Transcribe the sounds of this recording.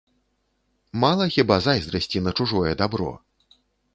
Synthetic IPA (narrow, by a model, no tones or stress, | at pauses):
malˠɐxʲibazajzɾɐsʲt͡sʲinɐt͡ʂuʐɔjɛd̪abɾɔ̰